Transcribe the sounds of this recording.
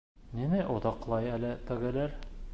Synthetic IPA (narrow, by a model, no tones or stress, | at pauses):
nimæʔŏðɑqlˠɑjælɘt̪ɘ̆ɡɘ̆læɾ